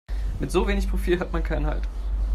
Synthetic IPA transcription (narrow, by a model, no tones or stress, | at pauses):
mɪtz̥oːveːnɪçpʁ̥ofiːlɦatmankʰaɪnəha̰lt